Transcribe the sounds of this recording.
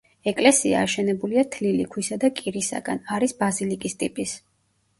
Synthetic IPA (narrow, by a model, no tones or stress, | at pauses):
ɛkʼlɛsia̰ːʃɛnɛbuliat̪ʰlilḭkʰwisad̪akʼiɾisa̰ɡa̰naɾisbazilikʼist̪ʼipʼis